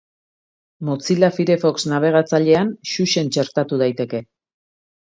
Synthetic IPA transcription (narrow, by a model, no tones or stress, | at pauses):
mot͡silafiɾe̞fo̞ksnaβ̞e̞ɣ̞at͡saʎe̞anʃuʃe̞nt͡ʃe̞ɾt̪at̪uð̞ajt̪e̞ke̞